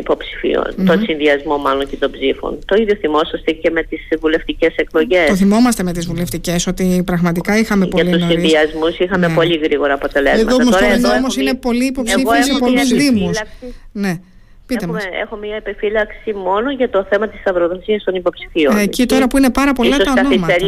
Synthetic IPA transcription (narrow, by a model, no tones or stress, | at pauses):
ipo̞psi̥fḭo̰nmt̪onsinðiɐzmo̞mɐloɲcet̪obzifo̰ntt̪o̞iðjoθimo̞sɐst̪ece̞me̞t̪isvule̞ft̪iceseklo̞ʝe̞st̪oθimo̞mɐst̪e̞me̞t̪izvule̞ft̪ice̞so̞t̪ipɾɐɣmɐt̪ikɐixɐme̞po̞ɐliusoiɾiðiɐzmusixɐmepo̞ʎiɣɾiɣo̞ɾɐːpo̞t̪e̞lezemɐtoɐmosoðɐomosinepo̞liːpo̞psiɣiezepo̞luzðimussine̞ | piemɐsḛxommiɐepefilɐksimo̞noʝɐt̪o̞θe̞mɐt̪isɐvɾoðo̞siɐst̪onipo̞psi̥fiocit̪o̞ɾɐpuine̞pɐɾɐpo̞llɐɐoɐnoimɐ